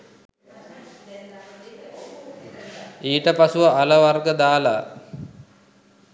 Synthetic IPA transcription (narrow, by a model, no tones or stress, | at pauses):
iːʈəpasuʋəʔaləʋarɡəd̪aːla